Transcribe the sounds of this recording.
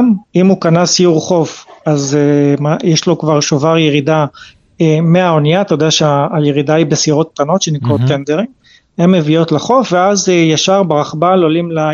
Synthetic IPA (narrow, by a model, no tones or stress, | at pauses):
mimukanasjuʁχo̞fazmajɛʃlo̞kvaʁʃovaʁjeʁida | emeaonijat̪ajd̪eaʃeaajeʁid̪aibesiʁo̞t̪̚t̪ano̞t̪ʃenikʁot̪ːend̪eʁiŋ | hemːevio̞t̪laχo̞fveazjaʃaʁbeʁaχbalolimla